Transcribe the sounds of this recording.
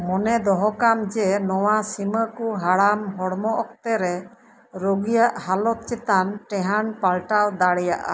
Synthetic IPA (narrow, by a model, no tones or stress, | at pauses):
mɔnɛd̪ɔɦɔkamd͡ʒɛnɔwasiməkuɦaɽamɦɔɽmɔʔɔk̚t̪ɛɾɛ | ɾoɡijaʔhalɔt̪̚t͡ʃɛt̪anʈɛɦanpalʈawd̪aɽɛjaʔa̰